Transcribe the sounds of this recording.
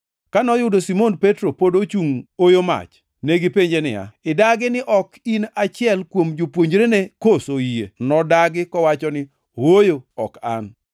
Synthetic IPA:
kanɔjʊdosimonpetɾopodot͡ʃuŋojoma̰t͡ʃ | neɡɪpeɲd͡ʒenɪ̰ja̰ɪdaɡɪnɪʔɔkinat͡ʃɪɛlkwomd͡ʒopwoɲd͡ʒɾenekosoijenɔdaɡɪkɔwat͡ʃɔnɪ | wojoɔka̰n

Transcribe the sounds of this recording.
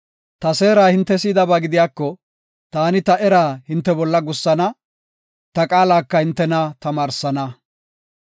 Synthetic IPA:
t̪ɐse̞ːɾaːhɪnt̪ːɛsiːd̪ɐbaːɡɪd̪ɪjaːkːɔ | t̪aːnɪt̪ɐʔɛɾaːhɪnt̪ːɛbɔlːɐɡʊsːɐnɐ | t̪ɐkʼaːlaːkːɐhɪnt̪ːɛnɐt̪ɐmaːɾsɐnɐ

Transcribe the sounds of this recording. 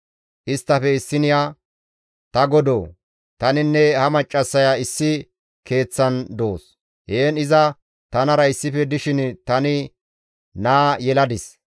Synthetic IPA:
ʔɪst̪ːɐfɛɪsːɪnɪjaː | t̪ɐɡɔd̪oː | t̪ɐnɪnːɛhɐmɐt͡ʃʼːɐsːɐjaɪsːɪ | ke̞ːt͡sːɐnd̪o̞̰ːs | heːnɪzɐ | t̪ɐnɐɾɐɪsːɪfɛd̪ɪʃɪnt̪ɐnɪ | naːjɛlɐd̪ɪs

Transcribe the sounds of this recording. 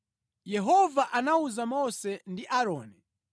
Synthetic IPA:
jɛɦɔvaʔanauzamɔsɛndiʔaɾɔːnɛ

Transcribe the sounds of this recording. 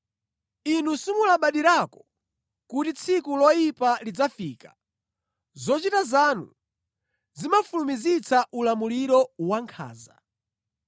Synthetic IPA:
inusumulaɓaɗiɾakɔ̥ | kutit͡sʰikulɔjipalid͡zafiːkḁ | zɔt͡ʃitazanṵ | zimafulumizit͡sʰaʔulamuliɾɔwaŋkʰa̰ːza

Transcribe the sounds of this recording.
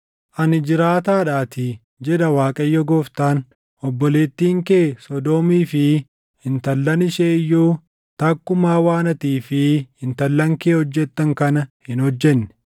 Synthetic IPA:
ʔɐnɪd͡ʒɪɾaːt̪aːᶑaːt̪ɪ | d͡ʒɛᶑɐwaːkʼɐjːɔɡoːft̪aːn | ʔɔbːɔle̞ːt̪ːiːŋkeːsɔd̪oːmiːfɪ | hɪnt̪ɐlːɐnɪʃeːɪjːuː | t̪ɐkːʊmaːwaːnɐt̪iːfɪhɪnt̪ɐlːɐŋkeːhɔd͡ʒːɛt̪ːɐŋkɐnɐhɪnhɔd͡ʒːɛnːɛ̥

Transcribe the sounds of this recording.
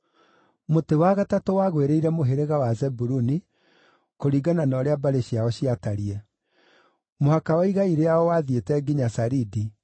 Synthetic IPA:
motewaɣatatowaːɣweɾeiɾɛmoɦeɾeɣawazɛbuɾuni | koɾiːɡananɔːɾeabaɾeɕiaɔɕiataɾiɛ | mohakawaiɣaiɾeaɔwaðietɛɡiɲasaɾidi

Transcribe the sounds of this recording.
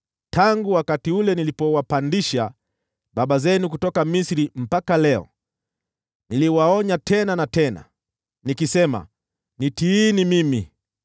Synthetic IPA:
tʰaŋɡuwakatiulɛnilipɔwapandiʃa | ɓaɓazɛnukutɔkamisɾim̩pakalɛɔ̰ | niliwaɔɲatʰɛnanatɛna̰ | nikisɛma̰ | nitiːnimimi

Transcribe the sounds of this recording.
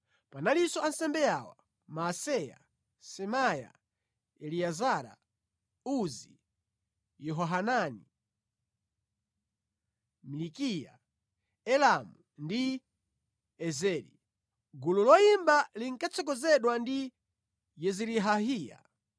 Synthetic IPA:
panalisɔansɛmbɛjawa̰ | masɛja̰ | sɛmaja̰ | ɛliazaɾa̰ | uzi | jɔɦɔɦanani | milikija | ɛlamu | ndi | ɛzɛɾḭ | ɡululɔjimbaliŋkat͡sɔk̬ɔzɛɗwandi | jɛziɾiɦaɦiːja̰

